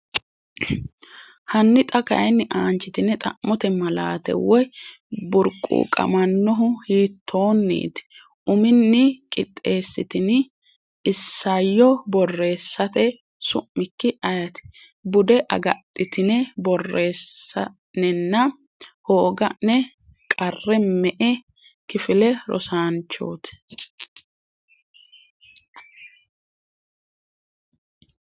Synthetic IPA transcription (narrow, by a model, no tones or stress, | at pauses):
hɐnːɪt̪ʼɐkɐ̰ʔɐjnːɪʔaːnt͡ʃɪt̪ɪnːɛt̪ʼɐ̰ʔmːɔt̪ɛmɐla̰ːt̪ɛ̰wɔj | bʊɾkʼːṵːkʼɐ̰mɐnːɔɦʊhiːt̪ʰːo̞ːnːḭːt̪ɪ̥ | ʔʊmɪnːɪkʼɪt̪ʼːe̞ːsːɪt̪ɪn | ɪsːɐjːɔbɔrːe̞ːsːɐt̪ɛ | sʊ̰ʔːɪkːɪʔɐjɐt̪ɪ̥ | bʊd̪ɛʔɐ̰ɡɐtʼːɪt̪ɪnɛbɔrːe̞ːsːɐ | nɛnːɐ | hoːɡɐnɛ | kʼɐrːɛmɛʔɛ | kɪfɪlɛɾɔ̰saːnt͡ʃːo̞̰ːt̪ɛ̥